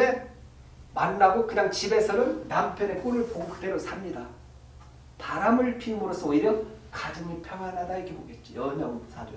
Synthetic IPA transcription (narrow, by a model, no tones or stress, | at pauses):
e | manːaɡokɯɲaŋt͡ɕibe̞sʰʌnɯnːampʰjʌne̞p͈unɯɭpoɡuk̚t͈e̞ɾosʰamɲida | taɾamɯɭpʰimuɾʌsʰʌoiɾjʌkad͡ʑɯŋipʰjʌŋɦanadaiɡeboɡe̞t̚t͡ɕ͈ojʌnʌsʰado